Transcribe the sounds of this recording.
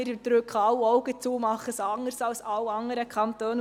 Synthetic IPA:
ɪɾd̪ɾʉkχɑwɔʊɡət͡suːəmɑχəsɑŋəɾsɑlsɑwɑŋəɾəkʰɑnt̪øːn

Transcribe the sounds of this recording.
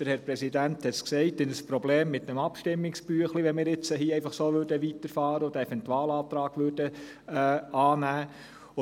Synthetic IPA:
əɾhɛɾpɾɛsidænt̪hɛt̪sksɛɪtɪnəspɾɔbleːmːɪt̪ːɛmɑpʃtɪmːɪkspyəχliʋɛnmɪːɾɪt͡səɦiːɛɪfɑχsoːʋʏɾdəʋitəɾfɑːɾəod̥̪əɛfɛntwɑːlɑːt̪ɾɑːɡ̥ʋʏd̥ə | ɑːnæː

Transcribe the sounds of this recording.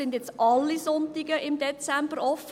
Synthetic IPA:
ɪndjɛt͡sʔɑlːisʊntt̪ɪɡəʔɪmdɛt͡sæmbəɾɔf

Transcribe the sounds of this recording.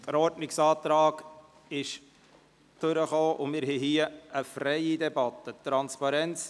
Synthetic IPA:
d̪̥əɾɔɾtnɪksɑːt̪ɾɑːɡ̥ | ɪʃ | d̥ʏɾəχoːʔʊmɪɾɦɛɦiːəəfɾɛɪidɛbɑt̪ːət̪ɾɑnspɑɾɛnt͡s

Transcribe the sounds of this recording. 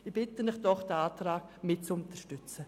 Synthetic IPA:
ibɪtənɪχd̥ɔχd̥əaːtraːɡ̥mɪt̚t͡sʊntəʃtʏt͡sə

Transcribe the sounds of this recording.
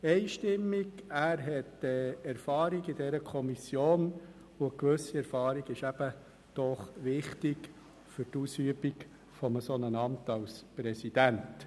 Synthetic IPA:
ɛɪʃtɪmːiɡæːɾɦɛtəɛɾfɑːɾiɡid̥ɛɾəkʰɔmisjoːn | ʊəkʋɵsiɛɾfɑːɾiɡɪʃæb̥ə | d̥ɔχʋɪχtɪɡ | fʏɾtusyəbiɡ | fɔməsonənɑmtɑwspɾɛsid̥ænt

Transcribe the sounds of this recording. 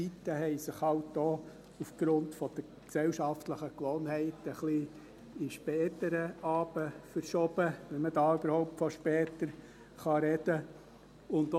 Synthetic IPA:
t͡sitːəɦɛɪsɪχhɑwt̚d̥̪oː | ufɡ̥ɾʊntfɔd̥̪ə | ksɛwʃɑftləχəkʋɔːnhɛɪtəχli | iʃpɛːtəɾəɑːbəfəɾʃɔb̥əʋɛmədɑːyb̥əɾhɔʊp̚tfɔʃpɛːtəɾ | χɑɾɛd̥ə | ʊnt

